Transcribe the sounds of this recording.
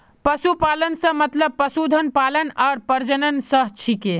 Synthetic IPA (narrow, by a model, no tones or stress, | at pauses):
pəsupalənsə̃mət̪ləb̚pːəsud̪ʱənpalənaːɾpəɾd͡ʒənənsəɦt͡ʃʰike